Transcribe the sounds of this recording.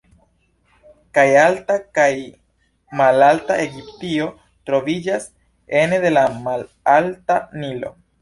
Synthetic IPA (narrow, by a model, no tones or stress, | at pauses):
kajaltakaj | malaltaʔe̞ɡip̚tio̞ | tɾo̞vid͡ʒas | e̞nede̞lamal | altanilo̞̰